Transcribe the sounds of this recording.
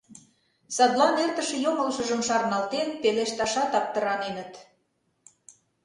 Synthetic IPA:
sɑd̪lɑnert̪ə̆ʃĕjomə̆lʃə̆ʒəmʃɑɾnɑlt̪enpeleʃt̪ɑʃɑt̪ɑp̚t̪ə̆ɾɑnenə̆t̪

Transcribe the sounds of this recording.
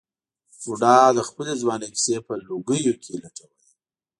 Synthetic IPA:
uɖɑd̪əxpəlezwɑneksepəloɡəjokʰelaʈ͡ʂʰawəji

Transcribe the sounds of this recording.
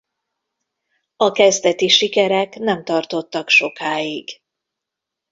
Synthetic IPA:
ɒkɛzd̪ɛt̪iʃikɛɾɛknɛmt̪ɒrt̪o̞t̪ːɒkʃo̞kaːjiɡ

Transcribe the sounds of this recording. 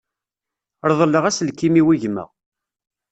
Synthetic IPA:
ɾˤðˤəlːəʁæslkːimiwiʝmə̰ʁ

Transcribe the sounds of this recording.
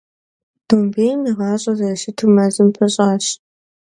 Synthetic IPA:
d̥oːmbeːjmiʁɑːɕʼɐzɐʃɪtʰumɐzɨmpʰɐɕʼaːɕ

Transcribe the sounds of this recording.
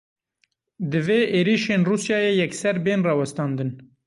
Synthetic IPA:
d̪ɨveːʔeːɾiːʃeːnruːsjɑːjeːjɛksɛɾbeːnrɑːwɛst̪ɑːnd̪ɨn

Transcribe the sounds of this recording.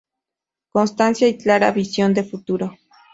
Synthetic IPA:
konst̪ansjait͡ɬaɾaβisjond̪efut̪uɾo

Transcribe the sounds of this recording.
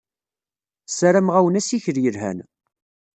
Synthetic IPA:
sæɾæmʁæwənæsiçəɾjəɾɦæ̰n

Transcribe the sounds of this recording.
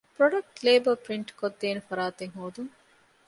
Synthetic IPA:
pɾoɖɐk̚ʈleːbɐpɾiɳʈkod̪ːeːnefɐɾaːt̪eŋɦoːd̪uŋ

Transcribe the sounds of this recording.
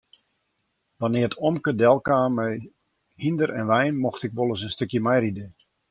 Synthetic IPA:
ʋanɪətʰɔmkədɛlˠkaːmɛj | hindəɾɛnʋɛjnmoxtɪk̚ʋolˠəsənstøkjəmɛjridə

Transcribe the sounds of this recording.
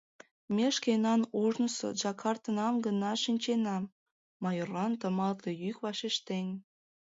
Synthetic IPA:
meʃkenɑnoʒnəso̰ʒɑkʰɑrt̪ənɑmɡənɑʃinʲt͡ɕenɑmː | ɑjorɑnt̪ə̆mɑlt̪ejykβɑʃeʃt̪enʲ

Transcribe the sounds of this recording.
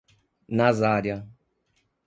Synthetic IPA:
nazaɾja

